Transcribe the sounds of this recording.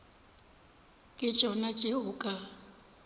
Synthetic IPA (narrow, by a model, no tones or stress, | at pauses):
kʼɪ̥t͡ʃʼɔnat͡ʃʼeʊːkʼa